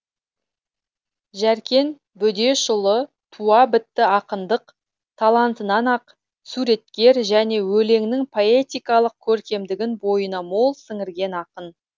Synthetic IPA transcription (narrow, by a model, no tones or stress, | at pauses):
ʒæɾkʲe̞n | bʏd̪e̞ʃʊlˠə | t̪ʰuɑbɪt̪ːɪɑqənd̪əq | t̪ʰɑlˠɑnt̪ənɑnɑq | suɾe̞t̪kʲe̞ɾʒæne̞wɵle̞ŋnɪŋpʰo̞e̞t̪ijkɑlˠəq̚kʲʰɵɾkʲe̞md̪ɪɡʲɪnbo̞jənɑmo̞lˠsɪŋɪɾɡʲe̞nɑqən